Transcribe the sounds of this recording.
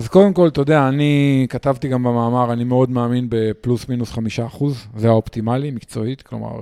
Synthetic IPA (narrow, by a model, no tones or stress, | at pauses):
azko̞de̞mko̞ltood̪eaːnikat̪avt̪iɡambemaːmaʁanimeo̞d̪maːminbe̞plusminusχamiʃaːχuzzeao̞pt̪imalimikt͡so̞it̪klo̞̰ma̰ʁ